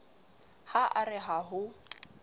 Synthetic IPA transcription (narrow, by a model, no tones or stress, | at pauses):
haʔarɪɦaɦʊ